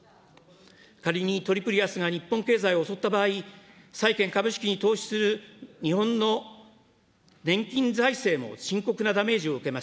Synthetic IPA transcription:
kaɾʲiɲ̟it̪o̞ɾʲipɯ̟ɾʲiasɨɡaɲ̟ipːõŋke̞ːzaio̞so̞t̪ːabaːi | saikẽ̞ŋkabɯ̟ɕi̥kʲiɲ̟it̪o̞ːɕi̥sɨɾɯ̟ɲ̟iɦõ̞nːo | nẽ̞ŋkʲĩnzaise̞ːmo̞̰ɕĩŋko̞kɯnad̪ame̞ːʑio̞ɯ̟ke̞maɕ

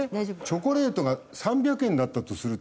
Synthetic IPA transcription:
t͡ɕo̞ko̞ɾe̞ːt̪o̞ɡasãmbʲjakɯẽ̞nːat̪ːat̪o̞sɨɾɯ̟

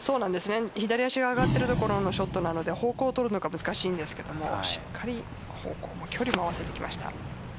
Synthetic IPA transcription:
so̞ːnãnd̪e̞sɨne̞çid̪aɾʲiaɕiɡaːɡat̪ːe̞ɾɯ̟t̪o̞ko̞ɾo̞no̞ɕo̞t̪ːo̞nano̞d̪e̞ho̞ːko̞ːt̪o̞ɾɯ̟no̞ɡamɯ̟zɨ̥kaɕiːnd̪e̞sɨ̥ke̞d̪o̞mo̞ɕi̥kʰːaɾʲi | ho̰ːko̞ːmo̞kʲʰo̞ɾʲimoaβase̞t̪e̞kʲima̰ɕi̥t̪a̰

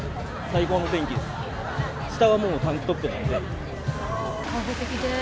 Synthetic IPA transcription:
saikoːnot̪ẽ̞ŋkʲid̪esɨ̥ | ɕi̥t̪aβamo̞ːt̪ãŋkʲi̥t̪o̞t̪ːe̞nand̪e | kʰãɦet̪ekʲid̪e

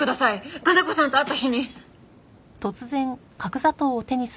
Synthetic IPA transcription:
ɯd̪asaiɡad̪ako̞sãnt̪o̞at̪ːaçiɲ̟i | t̪o̞t͡sɨzẽ̞ŋ | kakɯ̟zat̪o̞ːt̪e̞ɲ̟is

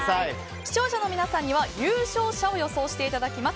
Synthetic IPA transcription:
a | ɕi̥t͡ɕo̞ːɕano̞mʲinasãɲ̟ːiβajɯ̟ːɕo̞ːɕao̞jo̞so̞ːɕi̥t̪e̞it̪ad̪akʲimas

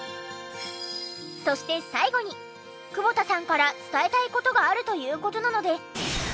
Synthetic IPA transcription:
so̞ɕi̥t̪e̞saiɡo̞ɲ̟i | kɯ̟bo̞t̪asãŋkaɾat͡sɨ̥t̪ae̞t̪aiko̞t̪o̞ɡaːɾɯ̟t̪o̞jɯ̟ːko̞t̪o̞nano̞d̪e̞s

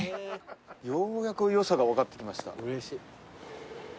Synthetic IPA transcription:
joːjakɯ̟jo̞saɡaβakat̪ːe̞̥kʲimaɕi̥t̪a̰ɾei

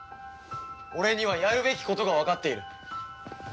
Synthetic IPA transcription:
o̞ɾe̞ɲ̟iβ̞ajaɾɯ̟be̞kʲi̥ko̞t̪o̞ɡaβakat̪ːe̞iɾɯ̟

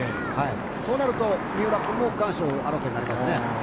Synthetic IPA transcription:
hai | soːnaɾɯt̪omiɯɾakumokãːɕoaɾokoɲinaɾʲimasɨne

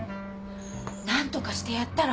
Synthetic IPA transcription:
nãnt̪o̞kaɕi̥t̪e̞jat̪ːaɾa

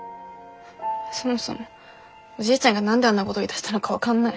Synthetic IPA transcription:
so̞mo̞so̞̰mo | oʑiːt͡ɕãŋɡanãnd̪eanːako̞t̪oit̪ḁɕi̥t̪ano̞kaβakãnːai

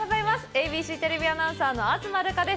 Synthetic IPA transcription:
azaimasɨ̥ebʲiːɕiːt̪e̞ɾe̞bʲianãɰ̃saːno̞at͡sɨmaɾɯ̟kad̪e̞s

